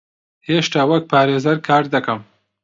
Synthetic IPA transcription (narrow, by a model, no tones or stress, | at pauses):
heʃʈaːwak̚paːɾezɐɾkʰaːɾd̪akɐm